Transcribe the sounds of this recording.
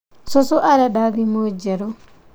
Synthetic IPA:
sɔsɔʔaɾɛdaɡimod͡ʒɛɾɔ

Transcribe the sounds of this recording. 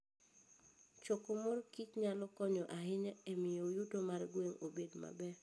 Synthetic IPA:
t͡ʃɔkomorkit͡ʃɲalɔkɔɲɔʔaɦɪɲaemɪjojutomaɾɡweŋobedma̰bɛ

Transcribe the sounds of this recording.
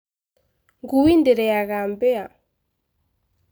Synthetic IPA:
ŋɡuwindɛɾɛaɣambɛa

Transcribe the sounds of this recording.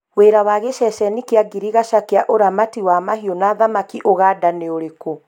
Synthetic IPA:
weɾawaɣeʃɛʃɛnikeaɡiɾiɣaʃakeaʔoɾamatiwamaɦiɔnaðamakiʔoɣaːdaneoɾeko

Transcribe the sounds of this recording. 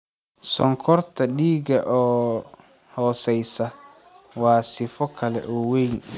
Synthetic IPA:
sɔ̰ŋkʰɔrt̪ʰɐɗiːɡɐʔɔː | hɔːsɛjsɐ | wɑːsɪfɔkʰɐlɛ̰ʔɔːwɛjn

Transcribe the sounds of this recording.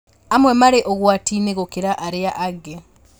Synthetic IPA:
amwemaɾeʔoɣwatiːneɣokeɾaʔaɾeaʔaɡe

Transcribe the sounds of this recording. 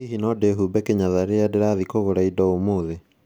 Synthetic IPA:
iɦinɔdeɦubɛkeɲaðaɾeadeɾaðikoɣoɾaidɔomoːðe

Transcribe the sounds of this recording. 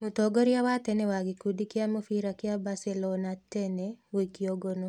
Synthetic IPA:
mut̪oɡɔɾjawatɛnɛwaɡikudikɪamofiɾakɪabasɛlɔnatɛnɛwikioɡono

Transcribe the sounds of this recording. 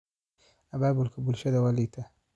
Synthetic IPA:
ababulkabulʃad̪awalit̪a

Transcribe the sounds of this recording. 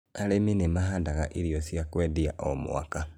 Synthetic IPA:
aleminimaɦandaɣaʔiɾjosjakwediaʔo̰mṵwa̰ka

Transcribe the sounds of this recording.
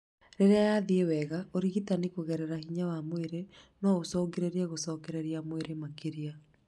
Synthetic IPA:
ɾeɾeajaðiewɛɣaʔoɾiɣitanikoɣɛɾɛɾahiɲawamoeɾenɔɣosɔːɡeɾeɾiaɣosɔːkɛɾeɾiamoeɾemakeɾia

